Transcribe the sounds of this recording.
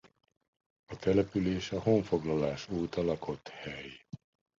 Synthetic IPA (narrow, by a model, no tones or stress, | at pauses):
ɒt̪ɛlɛpyleːʃɒhoːɱfo̞ɡlɒlaːʃuːt̪ɒlɒkʰo̞t̪hɛj